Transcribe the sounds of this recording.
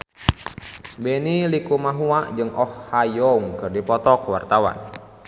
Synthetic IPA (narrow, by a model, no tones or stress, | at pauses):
bɛnilikumaɦuaʔd͡ʒɨŋɔhːajɔŋkɨrdipɔt̪ɔkwart̪awa̰n